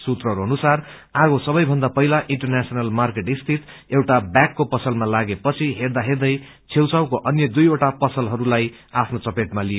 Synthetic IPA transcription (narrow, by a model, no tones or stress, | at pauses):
sut̪rʌɦʌɾuʌnusar | aɡosʌbʌjbʱʌnd̪apʌilaʔiɳʈʌrnasʌnʌlmarkeʈist̪ʰit̪ewʈabjakːopʌsʌlmalaɡepʌt͡sʰiɦerd̪aɦerd̪ʌj | t͡sʰewt͡sawkoʔʌnjʌd̪ujoʈapʌsʌlɦʌɾulaj | apʰnot͡sʌpeʈmalie